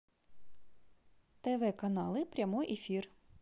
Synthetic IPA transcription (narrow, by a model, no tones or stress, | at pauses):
t̪eʋɛkɐnɑlˠɪpɾʲɐmɔjʔefʲir